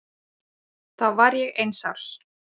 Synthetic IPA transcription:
θavaɾjɛɣejnsaw̥s

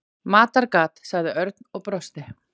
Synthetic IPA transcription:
maːt̪aɾkaːt̪saɣðɪʔœɾt̪nɔɣpɾɔst̪ɪ

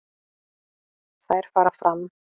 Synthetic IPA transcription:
θaðɛɾ̥faːɾafɾam

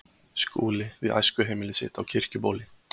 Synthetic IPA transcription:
skṵːlɪvɪða̰jskʏɦeːmɪlɪsɪ̰ːt̪awcʰɪr̥cʏpoːlɪ

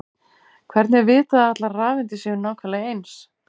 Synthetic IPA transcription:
kʰvɛɾt̪nɛɾvɪːt̪aðat̪laɾraːvɛnt̪ɪsjɛɣʏnaːwkʰalajejns

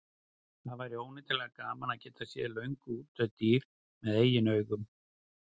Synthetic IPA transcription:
θaðvajɾɪoːwnɪt̪ʰɪlɛɣakaːmanaðcɛːt̪asjɛ̰lœɥŋkʏuːt̪ʰœðt̪iːɾ̥ | mɛðeːjɪnœːɥɣʏm

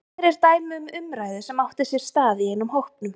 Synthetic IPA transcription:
ɛɾɛɾt̪aːjmʏmʏmɾaːjðɪsɛmawht̪ɪsjɛɾ̥st̪aːðɪeːnʊmhowhpnʏm

